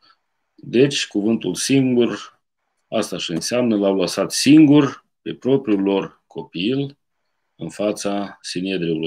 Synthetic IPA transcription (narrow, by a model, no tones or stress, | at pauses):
d̪e̞t͡ʃʲkuvɨnt̪ulsiŋɡur | ast̪aʃiɨnseamnəlawlasat̪siŋɡurʲ | pe̞pɾo̞pɾiulo̞r | kʰo̞pil | ɨnfat̪sasinied̪ɾeulo